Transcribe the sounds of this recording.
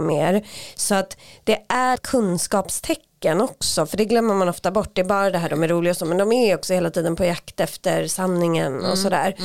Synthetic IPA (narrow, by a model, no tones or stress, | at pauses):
meːɾsɔat̪d̪̥ɛʔæɾkʰɵnskɑːpst̪ʰɛkːənɔksɔfœɖɛɡlœmːəɾmanɔft̪abɔʈːd̪ɛːbɑːɾad̪ɛɦæːɖɔmæɾuːlɪɡasɔmɛnd̪ɔmæɾɔksɔheːlat̪ʰiːd̪ənpʰɔjakt̪ɛft̪əɾsannɪŋənɔ̰sɔd̪æ̰ːɾ